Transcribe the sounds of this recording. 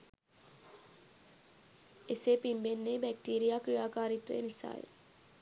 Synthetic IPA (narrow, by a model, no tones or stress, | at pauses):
esepimbenːeːbɛk̚ʈiːɾijaːkɾijaːkaːɾit̪ʋḛjenisa̰ːjḛ